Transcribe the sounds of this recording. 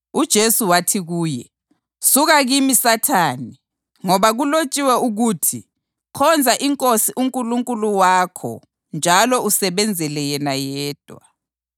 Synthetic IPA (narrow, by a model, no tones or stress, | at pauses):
ud̥ʒ̥ʱesuwatʰiɣuːjɛ | suɣaɣimisatʰaːni | ŋɔβaɣulot͡ʃʼiwɛuɣuːtʰi | kʰɔnd͡zʱaʔiŋkʼosiʔuŋkʼuluŋkʼuluwaːkʰɔ̰ | nd͡ʒʱalɔusɛβɛnd͡zʱɛlɛjɛnajɛːd̥ʱwa̰